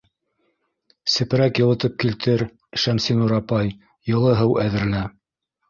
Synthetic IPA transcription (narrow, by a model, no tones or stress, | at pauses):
sɘ̆pɘ̆ɾækjɤ̆lˠɤ̆t̪ɤp̚kilt̪ʰɘɾ | ʃæmsinuɾɑpɑj | jɤ̆lˠɤɦɤwæðɘ̆ɾɘ̆læ